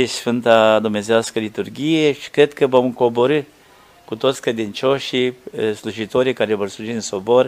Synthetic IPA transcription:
esfɨnt̪ad̪umne̞zeaskəlit̪urɡʲijeʃi̥kɾe̞d̪kəvomɨŋko̞bo̞ɾɨ | kut̪o̞t̪sʲkɾe̞d̪int͡ʃo̞ʃisluʒit̪o̞ɾikaɾevo̞rsluʒit̪ɨnso̞bo̞r

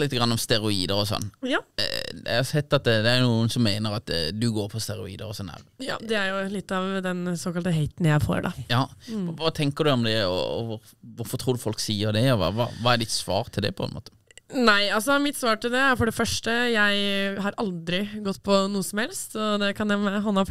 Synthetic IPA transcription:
lɪt̪ːəɡɾɑnːɔmst̪ɛɾʊiːd̪əɾɔsɔ̰n̰ː | ɛ̰hɑsɛt̪ːɑt̪d̪ɛæɾjʊnuːənsɔmːeːnəɾɑt̪d̪ʉɡoːɾpʰɔst̪ɛɾʊḭːd̪əɾɔsɔnːɛ̰ʋjɑ̰ːd̪ɛæɾjʊlɪt̪ːɑʋd̪ɛnsoːkɑlt̪əɦeɪt̪njæɪfo̰ːɾɖɑ̰jɑːʋɑt̪ʰɛŋkəd̪ʉɔmd̪ɛɔ̰ɔ̰ʋʊɾ | ʋʊɾfɔt̪ʰʁuːd̪ʉfɔlksiːəɾd̪ɛɔʋɑ̰ʋɑ̰ːʋɑːɛɖ̪ɪt̪sʋɑ̰ːʁt̪ʰɪld̪ɛ̰pʰɔɛ̰nmo̰ːt̪ə̥næɪɑls̬ɔmɪt̪sʋɑːʈɪld̪ɛæɾfɔɖɛfœʂʈəjæɪɦɑɾɑld̪ɾɪɡɔt̪ːpʰɔnuːəsɔmhɛlst̪ɔd̪ɛkʰɑnjæɦɑnːɑf

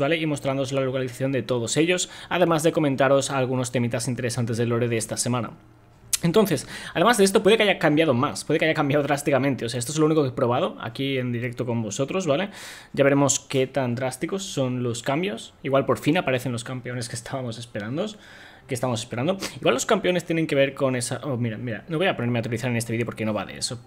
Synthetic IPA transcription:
βaleimo̞st̪ɾand̪oozlalokaliθaθjo̞nd̪e̞t̪oðo̞se̞ʎo̞saðe̞mazðe̞ko̞ment̪aɾo̞salɣ̞uno̞st̪e̞mit̪asint̪eɾe̞sant̪e̞zðelo̞ɾeðeest̪ase̞mãna̰ | e̞nt̪o̞nθe̞saðe̞mazðeest̪o̞pwe̞ðekaʝakambjað̞o̞maspwe̞ð̞ekaʝakambjaðo̞ðɾast̪ikamẽnt̪e̞oseaest̪ozlouniko̞kepɾo̞β̞að̞o̞a̰kie̞nd̪iɾe̞k̚t̪o̞ko̞mbo̞so̞t̪ɾo̞zβale̞ | ɟ͡ʝaβe̞ɾe̞mo̞ske̞t̪and̪ɾast̪iko̞sːo̞nlo̞skambjo̞siɣwalpo̞ɾfinapaɾe̞θe̞nlo̞skampe̞o̞ne̞ske̞st̪ʰaβamo̞se̞speɾand̪o | kest̪aβamo̞s̬e̞speɾand̪o̞iɣwalo̞skampeo̞ne̞st̪jenẽ̞ŋke̞β̞e̞ɾko̞ne̞saʔomiɾamiɾa̰noβo̞japo̞ne̞ɾme̞at̪ɾiθaɾenest̪eiðo̞poɾke̞no̞βa̰ðḛḛso

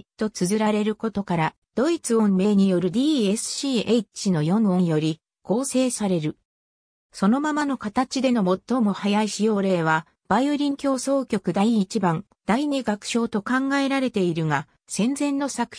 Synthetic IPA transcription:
t̪o̞t͡sɨzɨɾaɾe̞ɾɯ̟ko̞t̪o̞kaɾa | d̪̥o̞it͡sɨõ̞mme̞ːɲ̟ijo̞ɾɯ̟d̪ʲiːesɨ̥ɕiːʔeit͡ɕino̞jõ̞ɰõ̞ɰ̃jo̞ɾʲi | ko̞ːse̞ːsaɾe̞ɾɯ̟ | so̞no̞mamano̞kat̪at͡ɕid̪e̞no̞mo̞t̪ːo̞mo̞hajaiɕijo̞ːɾe̞ːβ̞a | b̥aioɾʲĩŋkʲo̞ːso̞ːkʲo̞kɯ̟d̪aiːt͡ɕibãn | d̪̥aiɲeɡakɯ̥ɕo̞ːt̪o̞kãŋɡae̞ɾaɾe̞t̪e̞iɾɯ̟ŋa | sẽ̞nd͡zẽ̞nːo̞sakɯ̥

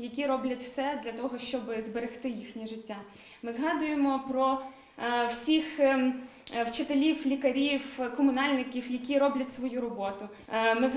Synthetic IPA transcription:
jɐkʲiɾɔblʲɐtʲwsɛd̪lʲɐt̪ɔɦɔʃt͡ʃɔbɪzbeɾext̪ɪjixnʲiʒɪtʲːa | mɪzɦɑd̪ʊjemɔpɾɔ | wsʲix | wt͡ʃɪt̪elʲiwlʲikɐɾʲiwkɔmʊnɑlʲnɪkʲiwjɐkʲirɔblʲɐtʲsʋɔjuɾɔbɔt̪ʊ | mɪ

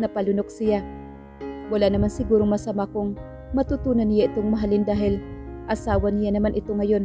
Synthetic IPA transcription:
nɐpɐlʊnok̚sɪja | wɐlaʔnɐmansɪɡuːɾoŋmɐsɐmakoŋ | mɐt̪ut̪uːnɐnːɪjaʔɪt̪oŋmɐɦalɪnd̪aːɦɪlʔɐsaːwɐnɪjanɐmanʔɪt̪oŋɐjo̞n

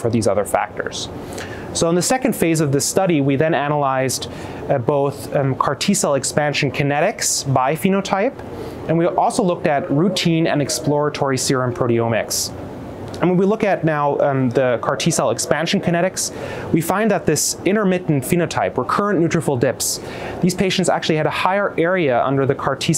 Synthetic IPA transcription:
fə˞ðizʌðə˞fæ̰k̚tə̰˞z̥ | soʊ̃nðɨsɛkɨ̃nd̥feɪzʌvðɨstʌɾiwiðɨ̃nænəlaɪz | boʊθkʰɑɹtʰisɛlˠɨkspæ̃nʃɨ̃n̩kʰɨnɛɾɪksbaɪfĩnoʊtʰaɪp | ɨ̃nwiʔɔlˠsoʊlʊk̚tɨt̚ɹʉtʰĩnɨ̰̃nɨksplɔɹɨtʰɔɹisɪɹɨ̃mpʰɹ̥oʊɾiõʊmɪ̰ks | ɨ̃nwə̃nwilʊkɨt̚ⁿnaʊðɨkʰɑɹtʰisɛlˠɨkspæ̃nʃɨ̃n̩kʰɨnɛɾɨks | wifãɪ̃nðət̪̚ðɪsɪ̃ɾ̃ə˞mɪʔn̩tfiñoʊtʰaɪpwə˞kʰɜ˞ɨ̃nnʉt͡ʃɹ̥ɨfl̩ˠdɪps | ðiz̥pʰeɪʃntsæ̰k̚t͡ʃʉl̩ˠiɨɾəhaɪə˞ʔɛɹiɨʔʌ̰̃ndə˞ðɨkʰɑɹtʰi

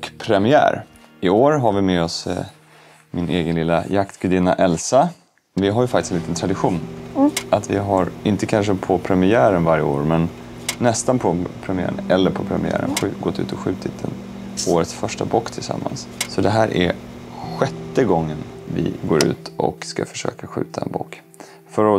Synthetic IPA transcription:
kpʰɾɛmɪæ̰ːɾ | ɪoːɾɦaɾvɪmeːɔs | mɪneːɡənlɪlːajakt̪ɡɵd̪ɪnaʔɛlsa | vɪɦaɾjɵfak̪̚ɪ̥sɛnliːt̪ənt̪ʰɾad̪ɪɧuːnʔat̪vɪɦaɾɪnt̪əkʰanʂəpʰɔpʰɾɛmɪæːɾənvaɾjəoːɾmɛnː | ɛst̪anpʰɔpʰɾɛmɪæ̰ːɾənɛlːəɾpʰɔpʰɾɛmɪæ̰ːɾə̰nɧɡɔt̪ʰːʉ̟ːt̪ɔɧʉ̟ːt̪ʰɪt̪̚d̪ɛ̰n | oːɾət̪sfœʂʈabɔːkt̪ʰɪlsa̰mːa̰nssɔd̪ɛɦæːɾʔæ̰ɧɛt̪ːəɡɔŋːənvɪ̰ɡoːɾʉ̟̰ːt̪ʔɔ̰kska̰fœ̥ʂø̰ːkaɧʉ̟ːt̪ʰaɛ̰nbo̰ːk | fœɾɔ

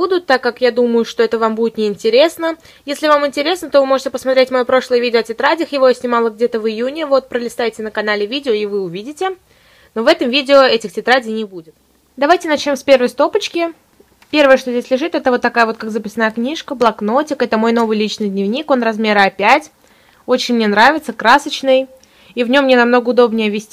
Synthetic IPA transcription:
bud̪ʊt̪ːakːakjad̪uməjʊʂt̪o̞ɛt̪əvambudʲɪt̪nʲɪɪnʲtʲɪɾʲe̞snə | jesʲlʲɪvamɪnʲtʲɪɾʲe̞snət̪o̞vɨmo̞ʐɨtʲɪpəsmɐt̪ɾʲetʲmɐjopɾo̞ʂlˠəjəvʲidʲɪoɐtʲɪt̪ɾadʲɪxjɪvojsʲnʲɪmalˠəɡ̚dʲe̞t̪əvɨjunʲɪvo̞t̪̚pɾəlʲɪst̪ajtʲɪnəkɐnalʲɪvʲidʲɪoɪvɨʊvʲidʲɪtʲɪ | no̞vɛt̪əmvʲidʲɪoɛtʲɪxtʲɪt̪ɾadʲɪjnʲɪbudʲɪt̪̚ | d̪ɐvajtʲɪnɐt͡ɕnʲo̞mspʲe̞rvəjst̪o̞pət͡ɕkʲɪ | pʲe̞rvəjəʂt̪ozʲdʲesʲlʲɪʐɨt̪ɛt̪əvo̞t̪ːɐkajəvo̞t̪kakzəpʲɪsənajəknʲiʂkəblˠɐknotʲɪkɛt̪əmo̞jno̞vɨjlʲit͡ɕnɨjd̪ʲnʲɪvnʲiko̞nrɐzmʲe̞ɾɐpʲætʲ | o̞t͡ɕɪnʲmnʲenɾavʲɪt̪səkɾasət͡ɕnɨj | ivnʲo̞mːnʲenɐmno̞ɡəʊd̪o̞bnʲɪjəvʲɪsʲtʲ

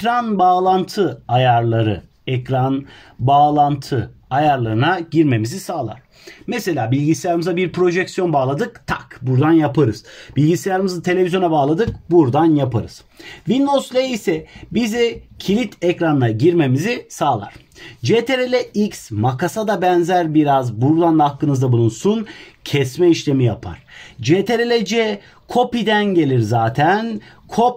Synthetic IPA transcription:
kɾanbaːlˠant̪ʰɯajaɾlˠaɾɯ̰ | ɛcɾan | baːlˠant̪ʰɯ | ajaɾlˠaɾɯnaɟiɾme̞mizisaːlˠa̰ɾ̥ | mese̞lʲaːbilʲɟisʲijaɾɯmɯzabiɾpɾo̞ʒɛcsjo̞nbaːlˠad̪ɯkt̪ʰakbuɾd̪anjapɯɾɯz̥bilʲɟisʲjaɾɯmɯzɯt̪ʰe̞lʲevizjonabaːlˠad̪ɯk̚buɾd̪anjapʰaɾɯz̥ | vind̪owslʲeisɛbizicʰilʲit̪ʰɛcɾanɯnaɟiɾme̞mizisaːlˠa̰ɾ̥ | d͡ʒet̪ʰeɾelʲɛʔiksmakʰasad̪abɛnzæɾbiɾazbuɾd̪anlˠahakːɯnɯzd̪abulˠunsuncʰɛsmɛiʃlʲe̞mijapʰa̰ɾ̥d͡ʒeːt̪ʰeɾelʲɛd͡ʒɛ | kʰo̞pid̪ænɟe̞lʲiɾzaːt̪ʰænkʰo̞p̚

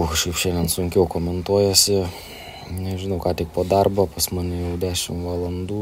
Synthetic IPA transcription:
ʃɛɪpʃʲɛnd̪ʲɛnsʊŋʲkʲɛʊkoːmʲɛnt̪uɔjɛsʲɪ | nʲɛʒʲɪnɐʊkɑːt̪ʲɪkpoːd̪ɐrbɐːpɐsmɑːnʲɪjɛʊd̪ʲæːʃʲɪmʋɑlˠɐnd̪uː

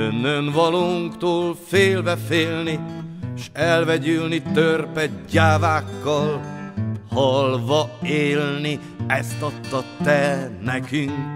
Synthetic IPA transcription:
ønːønvɒloːŋkt̪oːlfeːlvɛfeːlniʃɛlvɛɟylnit̪ørpɛɟaːvaːkːɒl | hɒlvɒeːlni | ɛst̪ɒpt̪ːɒt̪ːɛnɛkyŋk

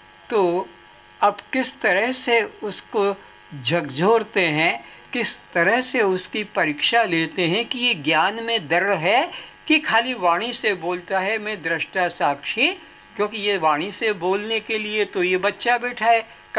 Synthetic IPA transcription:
t̪oː | ɐbkɪst̪ɐɾəɦseʊsko | d͡ʒʱɐɡd͡ʒʱoːɾt̪eɦɛ̃ | kɪst̪ɐɾəɦseʊskipɐɾiːkʃaleːt̪eɦɛ̃kijeɡjaːnmẽd̪ɐɾːɦɛkikʰaːliʋaːɽ̃iseboːlt̪aɦɛmɛ̃d̪ɾɪʃʈasaːkʃi | kjõːkijeʋaːɽ̃iseboːlnekeliet̪ojebɐtːʃabɛːʈʰaɦɛː | k

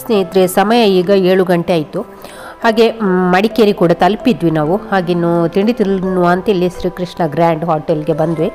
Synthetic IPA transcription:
sneit̪ɾesɐmɐjɐiːɡɐeːɭuɡɐɳʈeaːjit̪u | haːɡe̞mɐɽikeɾikuːɽɐt̪ɐlpid̪ʋinaːʋuhaːɡinːut̪iɳɖit̪iɾnuʋɐnt̪ɐilːiʃɾiːkɾiʂɳɐɡɾaːɳɖɦaːʈelɡe̞bɐnd̪ʋi

